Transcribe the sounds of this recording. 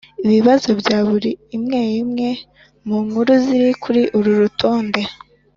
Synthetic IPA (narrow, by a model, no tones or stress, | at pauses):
iβiβazo̞bɟaːβuɾiːmŋe̞ːjimŋe̞ | muŋhuɾuziɾikʰuɾiʔuɾuɾutʰo̞ːnde̞